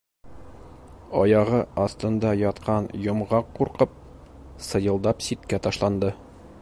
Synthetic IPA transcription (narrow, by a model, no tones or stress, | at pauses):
ɒjɑʁɤɒst̪ɤ̆nd̪ɑjɒt̪qɑnjŏmʁɑqːuɾqɤp̚ | sɤ̆jɤ̆lˠd̪ɑpsit̪kæt̪ɒʃlˠɑnd̪ɤ